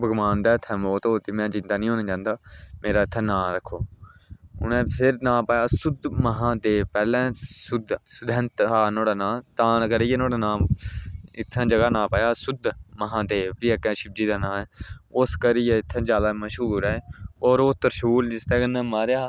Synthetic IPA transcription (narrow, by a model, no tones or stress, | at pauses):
bəɡmaːnd̪aːɪt̪ʰːɛ̃ːmoːt̪oːt̪iːmɛ̃ːd͡ʒɪ̃nd̪aːnĩːõːnẽd͡ʒãːnd̪aːmeːɾaːɪt̪ʰːɛːnãːɾəkʰːoː | ʊnɛ̃ːpʰɪɾnãːpəjaːsʊd̪məɦãːd̪eːpɛːlɛ̃ːsʊd̪sʊd̪ɛ̃ːnt̪ɦaːnõːɽaːnãːt̪ãːkəɾiːenõːɽaːnãːm | ɪt̪ʰːãːd͡ʒəɡaːnãːpəjaːsʊd̪məɦãːd̪eːbiːəkɛ̃ːʃɪb̚d͡ʒiːd̪aːnãːmɛːʊskəɾiːjeɪt̪ʰːɛ̃ːd͡ʒjaːd̪aːməʃɦuːɾɛːɔːɾoːt̪əɾʃuːld͡ʒɪst̪ɛːkənɛ̃ːmaːɾjaː